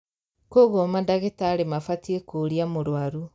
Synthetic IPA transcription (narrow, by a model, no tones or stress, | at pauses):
koɣomandaɣetaɾemafatiekoɾiamoɾwaɾu